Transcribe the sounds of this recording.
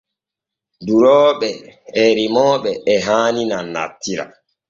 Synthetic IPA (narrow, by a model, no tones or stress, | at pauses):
duɾɔːɓɛɛɾimɔːɓɛːɦaːninanːa̰tːiɾa̰